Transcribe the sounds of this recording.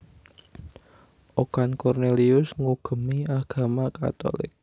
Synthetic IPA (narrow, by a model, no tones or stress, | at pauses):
ʔokankɔrneliʊsŋuɡ̥ə̤miaɡ̥a̤maka̰t̪o̰lɪ̰k̚